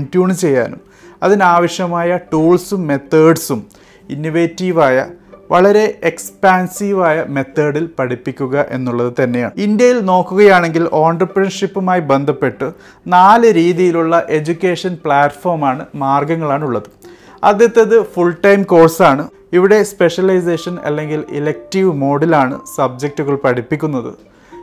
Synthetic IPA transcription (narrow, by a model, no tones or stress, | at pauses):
ntjuːɳt͡ɕe̞jːa̰ːnum | ɐðinaːʋɐɕjɐmaːjɐʈuːɭsumːe̞t̪ːɐːɖsum | inːiʋeːtːiːʋaːjɐ̰ʋɐɭɐɾe̞ekspaːnsiːʋaːjɐme̞t̪ʰːɐːɽilpɐɽipːikʲːuɣɐʔe̞̰nːuɭːɐðɨt̪ɐnːe̞ja̰ːɳind̪jɐjilno̞ːkːuɣɐjaːɳe̞ŋɡilʔo̞ːɳɖrɨpːrɐnʂipːumaːjibe̞nd̪ʱɐpːe̞ʈːɨ | naːlɨɾiːðijiluɭːɐʔe̞d͡ʑukʲːe̞ːʂɐnpɭaːʈfo̞ːrmaːɳɨmaːrɡɐŋːɐɭaːɳuɭːɐðɨ | ɐ̰d̪ːjet̪ːɐðɨfuɭʈɐjmko̞ːrsaːɳɨ | iʋiɽe̞spe̞ʂɐlɐjs̬eːʂɐnɐ̰lːe̞ŋɡilḭlek̚tiʋmo̞ːɽilaːɳɨ̰sɐb̚d͡ʑek̚ʈːuɣɐɭpɐɽipːikʲːunːɐðɨ̰